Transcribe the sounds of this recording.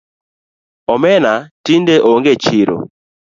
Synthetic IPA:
ɔmɛnatindeʔoŋɡet͡ʃiɾo̰

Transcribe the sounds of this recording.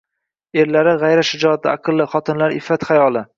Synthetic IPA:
e̞ɾlaɾɪʁajɾaʃɪd͡ʒɒt̪ːɪaqʰɨlˠːɪχɒt̪ʰɪnlaɾɪfːat̪χajɒlˠɪ

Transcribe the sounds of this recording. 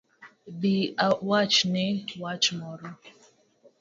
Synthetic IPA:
biawat͡ʃnɪwat͡ʃmɔɾo

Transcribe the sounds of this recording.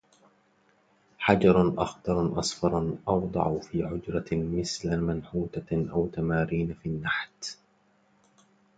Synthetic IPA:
ħad͡ʒɑɾˤʔɑxd̪ˤɑɾˤʔɑsˤfɑɾˤnʔɑwd̪ˤɑ̰ʕfiːʕʊd͡ʒɾɑmɪθlamanħuːt̪aʔawt̪amaːɾiːnafinːaħt̪

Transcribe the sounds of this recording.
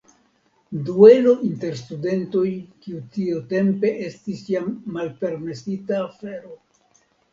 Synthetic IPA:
due̞lo̞ʔinte̞ɾstude̞nto̞jkiutiote̞mpe̞ʔestisjamːalpe̞ɾme̞sitaːfe̞ɾo̞

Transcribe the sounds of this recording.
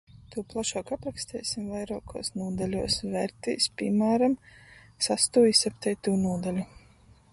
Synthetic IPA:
t̪uːplˠaʃoːkapɾakst̪ɛːjsimvajɾoːkʰo̰ːsnuːd̪alʲuɔsvɛɾt̪ḭːspʲimaːɾam | sast̪uːjisɛpt̪ɛjt̪uːnuɔd̪alʲu

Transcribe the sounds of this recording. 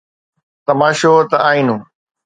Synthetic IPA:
t̪ɐmaːʃoːt̪ɐaːĩːnũː

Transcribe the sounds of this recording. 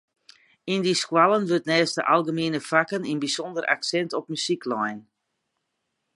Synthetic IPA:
indiskwalˠənʋøtnɛːstəʔalˠɣəmeːnəfakəninbisɔndəra̰ksɛntɔp̚mysiklɔjn

